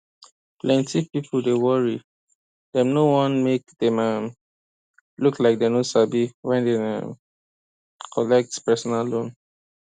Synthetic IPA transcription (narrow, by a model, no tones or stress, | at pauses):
plɛ̃ntipipʰl̩dewɔɹi | dɛ̃mnowɔ̃nmek̚d̥ɛmam | luklaɪk̚denosabiwɛ̃ndeã̰m | kʰɔlɛk̚tpɛsɔnallõn